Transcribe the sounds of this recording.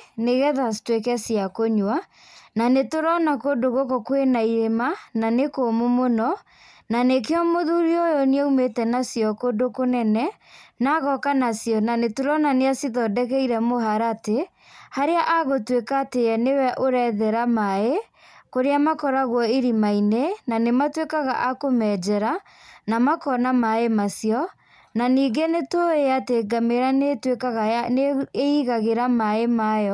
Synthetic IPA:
neɣɛðastwekɛsjakoɲwa | nanetoɾɔnakodoɣokokwenaiɾemananekomomonɔ | nanekeɔmoðuɾiojɔneɛumetɛnasijɔkodokonɛnɛ | naɣɔkanasjɔnanetoɾɔnaneasiðɔdɛkɛiɾɛmoɦaɾate | haɾeaʔaɣotwekaːteɛnewɛʔoɾɛðɛɾamae | koɾeamakɔɾaɣwɔeɾimainenanematwekaɣa̰ʔakomɛd͡ʒɛɾa | namakɔnamaemasjɔ | naniːɡenetoeateɡameɾanetwekaɣaneiɣaɣeɾamaemajɔ

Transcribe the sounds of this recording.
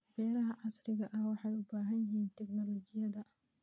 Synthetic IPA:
bɛːɾɐɦɐʕɑsrɪɣɐʔɐhwɑħɑjʊbaːɦɐnjɪhiːnt̪ʰɛknɔlɔt͡ʃɪjɐðɐ

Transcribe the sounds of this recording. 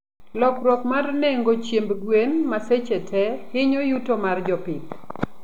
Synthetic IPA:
lɔkɾɔkmarneŋɡot͡ʃjembɡwenmaset͡ʃetʰɛhɪɲojutomard͡ʒɔpɪt

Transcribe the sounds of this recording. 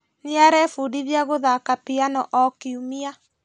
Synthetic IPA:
neaɾɛfudiβjaɣoðakapianɔʔɔkiumia

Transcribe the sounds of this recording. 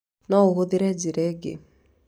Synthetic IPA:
nɔohoðɪɾɛd͡ʒiɾɛɡḛ

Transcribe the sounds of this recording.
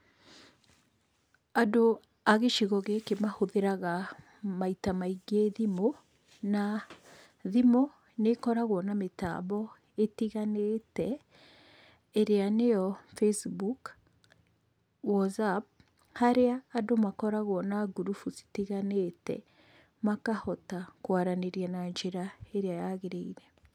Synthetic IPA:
ado | aɣeʃiɣɔɣekemahoðeɾaɣa | maitamaiɡeðimo | na | ðimo | nekɔɾaɣwɔnameta̰βɔ | etiɣanetɛ | ɾeanejɔfesbuk | wɔzap̚ | haɾeaːdomakɔɾaɣwɔnaɡuɾufusi̥tiɣanetɛ̰ | makahɔtakwaɾaneɾianaɲd͡ʒeɾaeɾeajaɣeɾeiɾɛ

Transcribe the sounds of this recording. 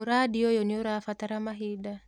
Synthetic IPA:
uɾadiɔjɔniɔɾafat̪aɾamaɦida

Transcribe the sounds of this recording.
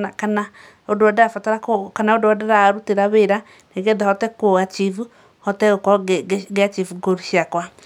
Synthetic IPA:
akana | odoadafataɾakokanaodoɔdaɾaɾuteɾaβeɾa | neɣɛðahɔtɛkoat͡ʃivu | hɔtɛɣokɔɡeat͡ʃivuɡoɾiʃiakwa

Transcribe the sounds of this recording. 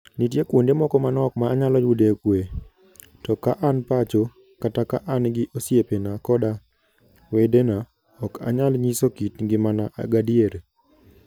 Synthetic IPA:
nitjekwondemɔkɔmanɔkmaːɲalɔjudekwe | tɔkaʔanpat͡ʃo | katakaʔanɡɪʔosjepenakɔda | wedena | ɔka̰ɲalɲisokitɡɪmanaʔa̰ɡadjeɾ

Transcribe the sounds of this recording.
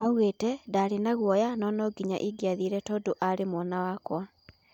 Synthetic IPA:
auɣetɛdaɾenaɣwɔjanɔnɔɡiɲa̰ʔiɡjaðiɾɛtɔːdoʔaɾemwɔnawakwa

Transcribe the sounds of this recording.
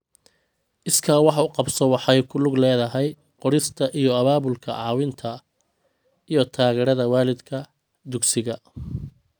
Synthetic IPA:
ʔɪskʰawɑħʊqɑbsɔwɑħɛjkʰʊlʊɡlɛːðɐɦɛj | qɔɽɪst̪ʰɐʔijɔɐβaːβʊlkʰɐ̰ʕɑːwɪnt̪ʰɐ | ijɔt̪ʰaːɣɛːɾɐðɐwaːlɪd̪kʰɐ | d̪ʊɡsɪɣɐ

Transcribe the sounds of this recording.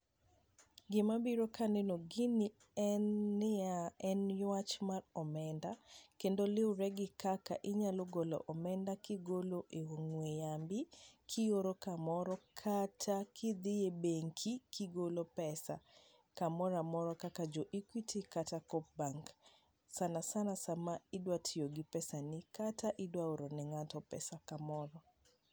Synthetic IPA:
ɡɪmabiɾokanenoɡɪni | ɛnːɪaɛnjwat͡ʃmarɔmɛndakendolɪʊɾɛɡɪkaka̰ʔɪɲaloɡolɔ̰ʔɔmɛndakɪɡoloʔewoŋwejambɪkʰɪjoɾokamɔɾɔkʰatʰakʰiðɪebɛŋkʰikiɡolopɛsa̰ | kamɔɾamɔɾɔkakad͡ʒɔʔikwitʰikatakɔp̚baŋk | sanasanasamaidwatʰioɡipɛsanikataʔidwaoɾɔnɛŋatɔpɛ̰sakamɔɾɔ

